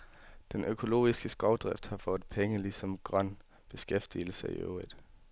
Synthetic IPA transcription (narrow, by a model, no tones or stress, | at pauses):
d̥enʔøkʰo̝lo̝̰ːisɡ̥əsɡ̥ɒʊ̰d̥ʁɛfd̥hɑ̈fɔd̥ˠpʰeŋəlisɒ̽mɡ̥ʁɶn̰ | b̥e̝sɡ̥efd̥il̩səiø̰ʊið̥ˠ